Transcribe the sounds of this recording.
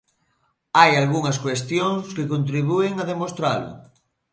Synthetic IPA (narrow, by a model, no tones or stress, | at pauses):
ajalɣuŋaskwest̪joŋskɪkont̪ɾiβ̞ueŋaðemost̪ɾalʊ̰